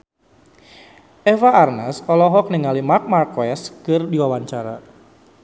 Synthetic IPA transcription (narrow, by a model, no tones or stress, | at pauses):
ʔɛvaʔːrnɛsɔlɔɦɔk̚niŋalimark̚markɛskɨrdiwawaɲt͡ʃaɾa̰